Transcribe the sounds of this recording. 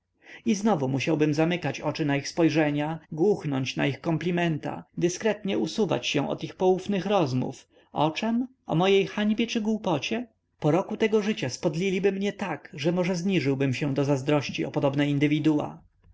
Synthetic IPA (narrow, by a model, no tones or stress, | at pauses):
iznɔvumuɕawbɘmzamɘkat͡ɕɔt͡ʂɘnaixspɔjʐɛɲaɡwuxnɔɲt͡ɕna̰ixkɔmplʲimɛnt̪a̰d̪ɘskɾɛt̪ɲɛusuva̰t͡ɕɕɛ̃w̃ʔɔ̰t̪ixpɔwufnɘxɾɔzmṵf | ɔt͡ʂɛm | ɔ̰mɔjejxaɲbʲjɛt͡ʂɘɡwupɔt͡ɕɛ | pɔɾɔkut̪ɛɡɔʐɘt͡ɕaspɔd̪lʲilʲibɘmɲɛt̪akʐɛmɔʐɛzɲiʐɘwbɘmɕɛ̃d̪ɔzazd̪ɾɔɕt͡ɕiɔ̰pɔd̪ɔbnɛind̪ɘvʲid̪uwa̰